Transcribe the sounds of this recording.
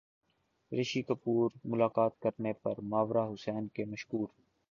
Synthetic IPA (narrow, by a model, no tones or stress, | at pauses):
ɾeʃiːkəpuːɾmʊlaːkaːt̪̚kəɾnepɐɾmaːʋɾaːɦʊsɛːnkeːmɐʃkuːɾ